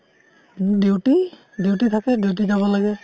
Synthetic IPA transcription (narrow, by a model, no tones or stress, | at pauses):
dewti | dewtit̪ʰakɛdewt̬izabɔlaɡɛ